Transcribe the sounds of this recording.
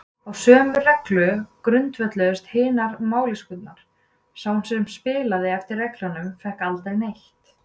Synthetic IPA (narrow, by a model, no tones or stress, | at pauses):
awsœːmʏrɛklʏkɾʏnt̪vɛt̪lœðʏst̪hɪːnaɾmaːwlɪskʏt̪̚naɾ̥ | saːwnsɛmspɪːlaðɪɛft̪ɪɾːɛklanʏmfɛhkalt̪aɣnejht̪